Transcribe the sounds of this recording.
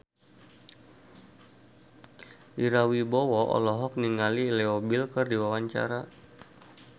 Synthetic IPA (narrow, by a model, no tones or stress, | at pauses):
ʔiɾawibɔwɔʔɔ̰lɔɦɔk̚niŋaliːleobilkɨrdiwawaɲt͡ʃa̰ɾa